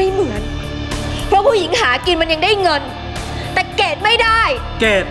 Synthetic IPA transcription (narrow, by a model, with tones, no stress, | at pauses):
a˧jmɨ˨˩˦ə˨˦n | fɔ˧ku˧˦hḭ˧˨˦ŋhaː˧˨˩ki˨˩nma˨˩nɲa˨˩ŋɗə˧jŋə˨˩n | t̪a̰ː˧˨˩jke˨˩t̚mə˧jɗaː˧˩j | ke˨˩t̚